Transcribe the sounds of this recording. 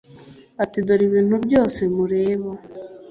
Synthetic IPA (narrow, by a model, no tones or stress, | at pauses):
atidoɾiβiːn̥uβjoːsemuɾeːβo